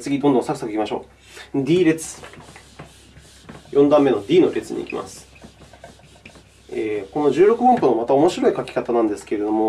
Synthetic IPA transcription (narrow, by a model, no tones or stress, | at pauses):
t͡sɨɡʲid̪ond̪õ̞sakɯ̟sakɯikʲimaɕo̞̰ː | d̪ʲiːɾe̞t͡sɨ̥ | jʔõ̞nd̪ãmːe̞no̞d̪ʲiːno̞ɾe̞t͡sɨɲ̟ḭḭkʲima̰sɨ̥ | eːko̞no̞ʑɨːɾo̞kɯ̟bõmpɯnomat̪aomo̞ɕiɾo̞ikakʲi̥kat̪anãnd̪e̞sɨ̥ke̞ɾe̞d̪o̞mo